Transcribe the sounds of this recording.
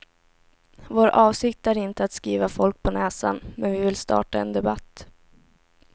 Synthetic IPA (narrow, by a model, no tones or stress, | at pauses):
voːɾʔɑːvsɪk̚t̪æɾɪnt̪əat̪skiːvafɔlk̚pʰɔnɛːsa̰nmɛnvɪvɪlst̪ɑ̰ːʈaɛ̰nd̪ɛbat̪ː